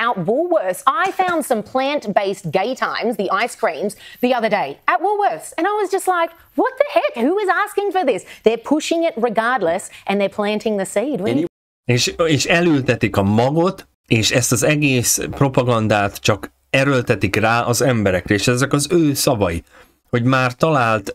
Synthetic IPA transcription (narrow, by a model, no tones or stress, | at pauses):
aʊt̚wɔlˠwɜ˞saɪfãʊ̃nd̥sʌ̃mpʰl̥æ̃ntb̥eɪstɡ̥eɪtʰãɪ̃mzðiʔaɪskɹ̥ĩmzðiʌðə˞deɪət̚wɔwɜ˞sɨ̃ñaɪwʌzd͡ʒʌstˡlaɪk | wʌt̪̚ðɨhɛdhuɪzæskɪ̃ŋfə˞ðɪsðə˞pʰʊʃɪ̃ŋɪt̚ɹɨɡɑɹdˡləsʔɨ̃nðə˞pʰl̥æ̃ntʰɪ̃ŋðɨsid̚w | eːʃeːʃɛlylt̪ɛt̪ikɒmɒɡo̞t̪ | eːʃɛst̪ɒzɛɡeːspro̞pɒɡɒnd̪aːt̪t͡ʃɒk | ɛɾølt̪ɛt̪ikraːʔɒzɛmbɛɾɛkrɛeːʃɛzɛkɒzøːsɒvɒḭ | ho̞ɟmaːrt̪ɒlaːlt̪